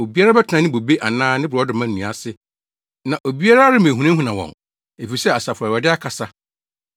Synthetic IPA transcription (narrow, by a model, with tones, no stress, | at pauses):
o˨bi˦a˦ɾa˦bɛ˦tʰɪ˨nã˨nɪ̃˦bo˨be˦ʔa˨nãː˦nɪ̃˦bʊ˨ɾɔ˦dɪ˨mã˦nː˦˨ũ˨a˨sɪ˦ | nã˨ʔo˨bi˦a˦ɾa˦a˦ɾɪ˦mẽ˨ɦũ˨nã˦ɦũ˦˨nã˨wɔ̰̃˨n | e˨fi˨sɛ˦a˨sa˨fʊ˨a˨wɛ˨dɪ˦a˦kʰa˨sa˦